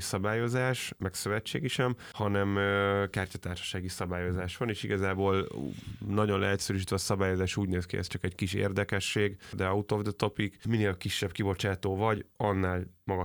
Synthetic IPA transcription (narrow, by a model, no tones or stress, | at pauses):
sɒbaːjo̞zaːʃmɛksøvɛt͡ʃːḛːɡiʃɛm | hɒnɛmkaːrcɒt̪aːrʃɒ̥ʃaːɡisɒbaːjo̞zaːʃʋɒneːʃiɡɒzaːboːl | nɒɟo̞nlɛɦɛt̪sɛɾyʃ̬it̪ʋɛːsɒbaːjo̞zaːʃuːɟneːskiɛ̰st̪t͡ʃɒkɛɟkiʃḛːrd̪ɛkɛʃːeːɡd̪ɛɒut̪ovd̪t̪o̞pikmineːlkiʃːɛb̚kibo̞t͡ʃaːt̪oːvɒɟɒnːaːlmɒɡɒ